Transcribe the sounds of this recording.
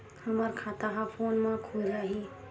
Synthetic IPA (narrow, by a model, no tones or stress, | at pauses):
həməɾkʰat̪aɦapʰonmãkʰuɾaɦi